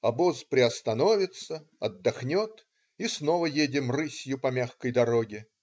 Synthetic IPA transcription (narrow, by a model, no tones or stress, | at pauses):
ɐbozpɾʲɪɐst̪ɐno̞vʲɪt̪sə | ɐd̪ːɐxnʲot̪ | isno̞vəjedʲɪmrɨsʲjʊpɐmʲaxkəjd̪ɐɾoɡʲɪ